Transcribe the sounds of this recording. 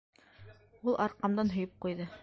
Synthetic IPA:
ulˠʔɑɾqɑmd̪ɑnɦɵ̆jɤp̚qujðɤ

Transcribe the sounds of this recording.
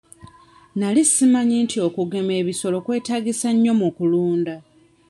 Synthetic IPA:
nalisimaɲintio̞kuɡe̞me̞ːβiso̞lo̞kwe̞ːtaːɡisaɲːo̞mukuluːnda

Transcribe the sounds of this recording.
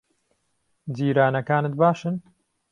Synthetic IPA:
d͡ziːɾaːnɐkaːnɨt̪̚baːʃɨn

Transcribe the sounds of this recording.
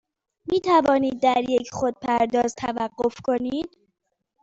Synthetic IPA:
miːt̪ʰævɒːniːd̪̚ːæɾjecʰχod̪̚pʰæɾd̪ɒːzt̪ʰævæɢːo̞fkʰo̞niːd̪̥

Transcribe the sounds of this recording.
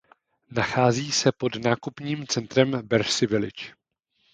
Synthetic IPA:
naxaːziːsɛpo̞dnaːkupɲiːmt͡sɛnt̪ɾɛmbɛɾsɪvɪlɪ̰t͡ʃ

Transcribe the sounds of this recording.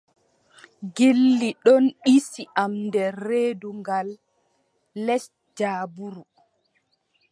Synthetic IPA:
ɡilːiɗɔnɗisiʔamdɛːeːduŋɡalː | ɛs | d͡ʒaːbuɾu

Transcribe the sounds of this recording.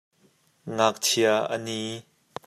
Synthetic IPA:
ŋak̚tʰiaʔə̰niː

